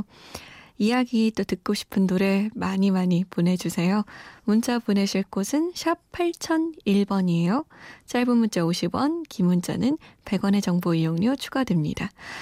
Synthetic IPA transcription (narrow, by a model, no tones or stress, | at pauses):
ijaɡit͈otɯk̚k͈oɕʰi̥pʰɯnnoɾe̞maɲimaɲipone̞d͡ʑusʰe̞jomunt͡ɕ͈apune̞d͡ʑʰiɭk͈osʰɯnɕʰip̚pʰːaɭt͡ɕʰʌniɭbʌɲiejot͡ɕ͈aɭbumunt͡ɕ͈aoɕʰibwʌnkimunt͡ɕ͈a̰nɯnpe̞ɡwʌne̞t͡ɕʌŋboijoŋɲot͡ɕʰu̥ɡadwe̞mɲḭda